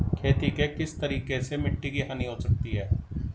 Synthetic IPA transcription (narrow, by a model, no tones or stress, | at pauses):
kʰeːt̪ikekɪst̪ɐɾiːkesemɪʈːikiɦaniɦosɐk̚t̪iɦɛː